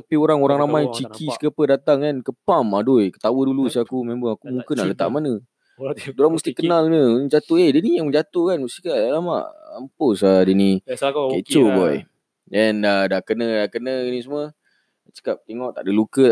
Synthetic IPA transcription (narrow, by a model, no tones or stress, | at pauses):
t̪apioɾaŋoɾaŋɾamajt͡ʃikʰiskəpədat̪aŋkankəpamadʊjkə̥t̪awədulusiakumẽmbəŋakumuŋkənaʔlət̪a̰ʔmanə | doɾaŋmust̪ikənalɲəd͡ʒat̪oehdənijaŋməɲd͡ʒat̪ohkanmust̪ikaʔalama̰ʔamposadənĩket͡ʃobɔj | ɛndadakənədakənəɡənĩs̬umə | t͡ʃə̥kap̚t̪eŋɔʔt̪aʔdəlukə